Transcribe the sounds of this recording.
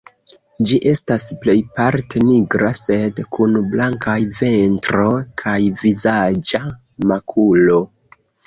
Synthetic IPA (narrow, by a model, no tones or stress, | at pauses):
d͡ʒiʔe̞stasple̞jpaɾteniɡɾase̞dkʰunblaŋkajve̞ntɾo̞kʰajvizad͡ʒa | makʰulo̞